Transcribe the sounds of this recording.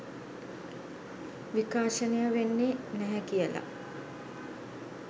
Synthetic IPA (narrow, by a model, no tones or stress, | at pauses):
ʋikaːʃənejəʋenːenɛɦɛkijəla̰